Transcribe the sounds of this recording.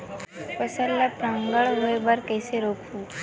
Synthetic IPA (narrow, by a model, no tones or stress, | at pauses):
pəsəlːapɾãːŋɡəɭɦoebɐɾkɛːseɾoːkʰũː